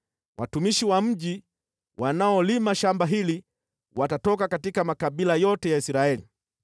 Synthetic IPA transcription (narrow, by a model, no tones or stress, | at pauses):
wʔatumiʃiwam̩ʄi | wʔanaɔlimaʃambaɦili | watatɔkakatikamakaɓilajɔtɛjaisɾaɛli